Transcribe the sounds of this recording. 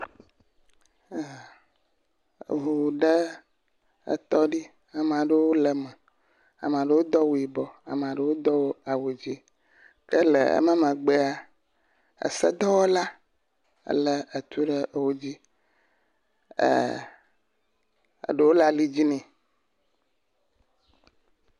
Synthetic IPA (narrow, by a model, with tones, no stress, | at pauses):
ɦu˨ɖə˦ | ə̰˨t̪ɔ˦ɖi˦ | a˨m˨a˨ɖə˦wo˦lə˨mɛ̃˨ | a̰˨m̃˨a˨ɖə˦wo˦d̪ɔ˦wo˨i˨bɔ˨a˨m˨a˨ɖə˦wo˦d̪ɔ˦wo˦a˨wo˨d͡ʑi˦ | kə˦lə̰˨ə̰˦mə̃˦mə̃˨ɡ͡be˦a˦ | ə̰˨sə˦d̪ɔ˦wɔ˦la˦ | ə̰˦lə˦ə˨t̪u˦ɖə˦ʔwo˦d͡ʑi˦˨ | ə̰˨ɖə˦wo˦la˦li˦d͡ʑi˦nɛ̃˨